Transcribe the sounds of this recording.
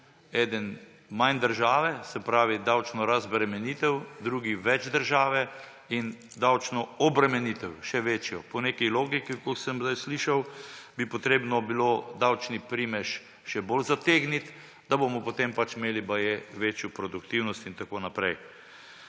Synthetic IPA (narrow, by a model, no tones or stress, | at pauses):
ɛːd̪ən | majnd̪əɾʒaːʋɛsɛpɾaːʋid̪awt͡ʃnɔɾazbɾɛmɛniːt̪ɛwd̪ɾuːɡiʋɛd͡ʒd̪əɾʒaːʋɛ | in | d̪awt͡ʃnɔɔbɾɛmɛnit̪ɛwʃɛʋeːt͡ʃjɔpɔneːkɛjloːɡikikɔsəmzd̪ajsliʃawbipɔt̪ɾeːbnɔbilod̪awt͡ʃnipɾimɛʃ | ʃɛbolzat̪eːɡnit̪ | d̪abomɔpot̪empat͡ʃmeːlibajeʋeːt͡ʃjupɾɔd̪ukt̪iwnɔst̪int̪akoːnapɾɛj